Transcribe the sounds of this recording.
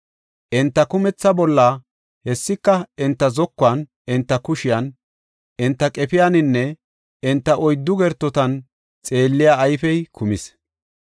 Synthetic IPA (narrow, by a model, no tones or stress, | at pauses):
ʔɪnt̪ːɐkʊmɛt͡sːɐbɔlːɐ | hɛsːɪkːɐɪnt̪ːɐzɔkːʊɐn | ɪnt̪ːɐkʊʃɪjɐn | ʔɪnt̪ːɐkʼɛpɪjanɪnːɛ | ɪnt̪ːɐʔɔjd̪ːʊɡɛɾt̪ːɔt̪ɐn | t͡sʼe̞ːlːɪjaːjfɛjkʰʊmɪs